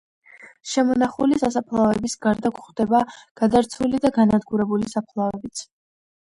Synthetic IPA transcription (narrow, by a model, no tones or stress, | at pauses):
ʃɛmɔnaχulisasapʰlˠavɛbisɡaɾd̪akχd̪̥ɛbaɡ̥ad̪aɾt̪sʰulid̪aɡanad̪ɡuɾɛbulisapʰlˠavɛbit̪sʰ